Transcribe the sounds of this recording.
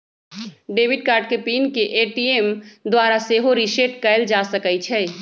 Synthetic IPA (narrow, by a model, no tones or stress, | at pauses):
ɖeːʋɪɖ̚kaːɾɖkepiːnkeʔeːʈiːemd̪waːɾaseɦoɾiʃeːʈ̚kəɪld͡ʒaːsəkət͡ʃʰɛː